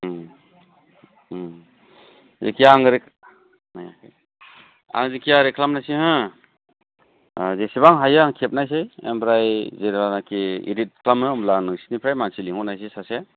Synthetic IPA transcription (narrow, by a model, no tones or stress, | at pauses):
zḛkʰijaŋɾek | naja̰kʰaj | a̰ŋzekʰijaɾekʰlamnajsihɯ̃ | zesiβaŋɦajaŋkʰep̚najs̬ajḛmbɾajzeɾbanakʰiḭɾit̚kʰlamɯmlanɯsi̥nipʰɾajmansiliŋɔnajs̬esase